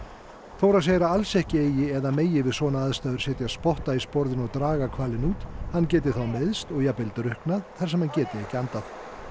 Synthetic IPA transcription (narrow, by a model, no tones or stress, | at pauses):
θoːwɾaðseːjɾaalsɛhcɪeːjɪɛðameːjɪvɪðsɔːnaaðst̪aːðʏɾ̥sɛːht̪jaspɔht̪aispɔɾðɪnɔɣt̪ɾaːɣakʰvaːlɪnuːt̪hancɛːt̪̬ɪθawmɪðst̪ɔɣjapɪlt̪ɾʏhknaðθḁsɛmhancɛːt̪ɪɛhcɪant̪aθ